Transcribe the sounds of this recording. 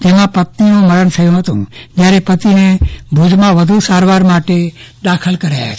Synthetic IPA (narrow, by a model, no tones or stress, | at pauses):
d͡ʒemãpət̪ninũməɾəɳt̪ʰəjũɦət̪ũd͡ʒjaːɾepət̪inebʱud͡ʒmãʋəd̪ʱusaːɾʋaːɾmaːʈe | d̪aːkʰəlkəɾaa